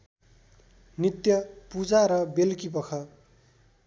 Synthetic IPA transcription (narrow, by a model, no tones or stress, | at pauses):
nit̪jʌpud͡zaɾʌbelkip̬ʌkʰʌ